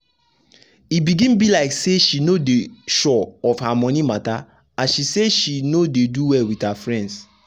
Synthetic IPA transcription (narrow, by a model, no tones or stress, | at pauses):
ibiɡĩnbilaɪkseʃinodeʃɔɔfhamɔ̃nĩmata | ãʃiseʃinodeduwɛlwithafɹɛ̃nds